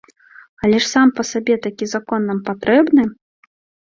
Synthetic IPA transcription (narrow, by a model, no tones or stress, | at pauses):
ɐlʲɛʂsampɐsabʲɛt̪akʲizakɔnːampat̪ɾɛbnɨ